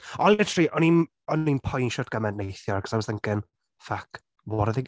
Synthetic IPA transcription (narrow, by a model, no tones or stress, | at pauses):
ɔnlɪtʰriʔɔnin | ɔninpʰɔjnʃɔtɡ̥amɛndnejθjɔrkə̥sawsəŋkɪn | fak | wɔɾəðɪɡ